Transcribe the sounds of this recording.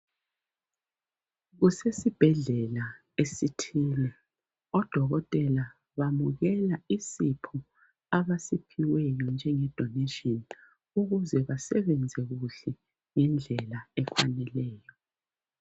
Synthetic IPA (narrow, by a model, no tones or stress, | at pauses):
ɣusesib̥ʱɛɮɛla | esitʰiːlɛ | ɔd̥ʱɔɣɔtʼɛla | βamuɣɛlaisipʰu | aβasipʰiwɛjɔnd͡ʒʱɛŋɛd̥ʱɔnɛʃiɔn | uɣuzɛβasɛβɛnd͡zʱɛɣuɬɛ | ŋɛnd͡ɮʱɛlaɛkwa̰nɛlɛːjɔ